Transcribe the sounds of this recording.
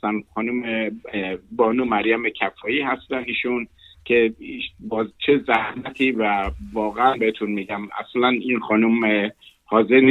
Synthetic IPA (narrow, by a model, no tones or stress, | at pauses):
ænxɒːnume | bɒːnumæɾjæmecʰæfɒːiːhæst̪æniːʃun | cʰe̞ibɒːzt͡ʃʰe̞zæhmæt̪ʰiːvævɒːɣeænbehet̪ʰunmiːɟæmæ̰slæninxɒːnumhɒːze̞ɾn